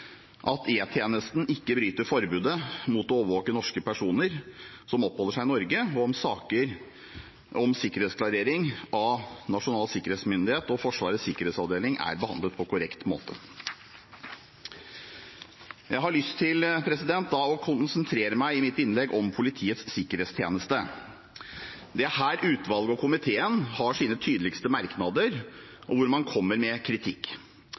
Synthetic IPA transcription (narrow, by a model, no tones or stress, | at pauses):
ʔɑt̪ʰeːt̪ʰjeːnəst̪n̩ɪkːəbɾyːt̪əfɔɾbʉːd̪əmut̪ɔoːʋəɾʋoːkənɔʂkəpʰæʂuːnəɾ | sɔmɔpːhɔːlːəʂæɪnɔɾɡəɔɔmsɑːkəɾ | ɔmsɪkːəɾheːt̪sklɑɾeːɾɪŋʔɑnɑʂʊnɑːlsɪkəɾeːt̪smʏnd̪ɪheːt̪ɔfɔʂʋɑ̰ːɾəsɪkːəɾeːt̪sɑʋd̪eːlɪŋʔæ̰ɾbəhɑnd̪ət̪̚pʰɔkʊɾɛkt̪mo̰ːt̪ə | jæɪɦɑɭʏst̪ʰːɪlpʰɾɛsɪd̪ɛnt̪̚d̪ɑɔkʰʊnsənt̪ʰɾeːɾəmæɪɪmɪt̪ːɪnlɛɡɔmpʰʊlɪt̪ʰiːət̪sːɪkːəɾeːt̪st̪ʰjeːnəst̪ə | d̪ɛæhæːɾʔʉːt̪ʰʋɑlɡəɔkʰʊmɪt̪ʰeːənhɑʂiːnət̪ʰyːd̪əlɪkst̪əmɑɾknɑd̪əɾ | ʔɔʋʊɾmɑnkʰɔmːəɾmɛkʰɾɪt̪ʰɪkː